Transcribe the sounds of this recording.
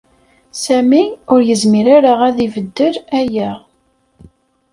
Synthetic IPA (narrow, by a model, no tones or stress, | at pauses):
sæmiʊɾjəzmiɾaɾəʁæðivəd̪ːəɾæjæʁ